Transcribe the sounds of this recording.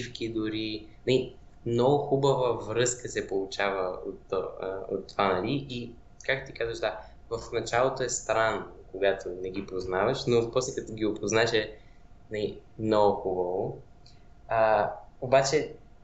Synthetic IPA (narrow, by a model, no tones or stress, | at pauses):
ifk̟id̪ʊɾinɐli | mnɔɡʊxubəvəvɾɤskəsɛpolˠʊt͡ʃavəo̰t̪ːɔo̰t̪ːovanɐliʔi | kak̚t̪ot̪ikazvəʒd̪a | vəfnɐt͡ʃalˠot̪oɛst̪ɾanːokoɡat̪ʰonɛɡ̟ipoznavɐʃnopɔslɛkɐt̪uɡʲiopoznaɛʃɛ | nɐli | mnɔɡʊxubəvo | əobat͡ʃɛ